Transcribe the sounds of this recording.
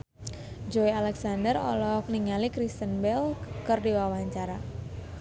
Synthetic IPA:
d͡ʒoialɛksandərɔ̰lɔk̚niŋalikɾist̪ənbɛlkərdiwawaɲt͡ʃaɾa

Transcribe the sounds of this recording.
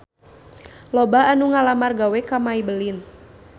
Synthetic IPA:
lɔbaanuŋalamarɡawɛkamaibəlɪn

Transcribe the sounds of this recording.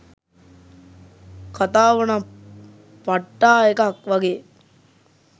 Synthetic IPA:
kat̪aːʋɐna | paʈːaːekakʋɐɡeː

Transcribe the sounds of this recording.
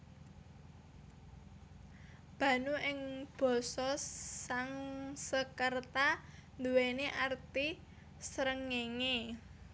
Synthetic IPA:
b̥ä̤nuʔɪŋb̥ɔ̤sɔaŋsəkərt̪and̪uweneʔart̪i | səɾəŋeŋe

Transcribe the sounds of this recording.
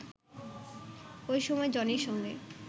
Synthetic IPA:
ojʃɔmɔed͡ʑɔniɾʃɔŋɡe

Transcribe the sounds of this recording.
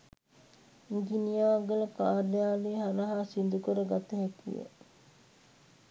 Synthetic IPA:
ŋɡinijaʋaɡəlɐkaːɾejaːleːɦaɾəɦaːsind̪ukoɾəɡat̪ɐɦɛkḭjə̰

